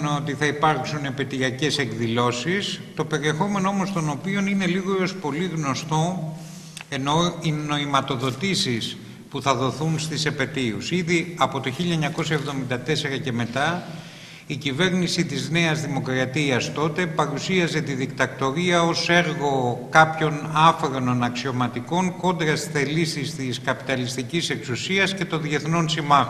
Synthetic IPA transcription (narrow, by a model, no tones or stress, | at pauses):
no̞t̪iθɐipɐɾksune̞pe̞t̪iɐce̞se̞kðilo̞sist̪o̞pe̞ɾie̞xo̞me̞noomost̪o̞no̞pio̞nine̞liɣoospo̞liɣno̞st̪o̞ | e̞no̞ino̞imɐt̪o̞ðo̞t̪isis | puθɐðo̞θunst̪isepe̞t̪iusiðiɐpo̞t̪oçiʎɐeɲɐko̞s̬ɐevðo̞mind̪ɐt̪ese̞ɾɐce̞me̞t̪ɐ | icive̞ɾnisit̪izne̞ɐzðimo̞kɾɐt̪iɐst̪o̞t̪e̞pɐɾusiɐze̞t̪iðikt̪ɐkt̪o̞ɾiɐo̞se̞ɾɣo̞kɐpço̞nɐfɾenonɐksio̞mɐt̪iko̞ŋko̞nd̪ɾɐsiθelisist̪iskɐpi̥t̪ɐlist̪icise̞ksusiɐsce̞t̪o̞nðʝe̞θno̞nsimɐx